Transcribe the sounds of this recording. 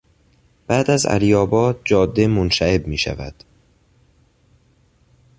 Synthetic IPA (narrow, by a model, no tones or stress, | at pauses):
b̥æːd̪æzæ̰lijɒːbɒːd̪̚d͡ʒɒːd̪ːe̞monʃæe̞bmiːʃæ̰væ̰d̪̥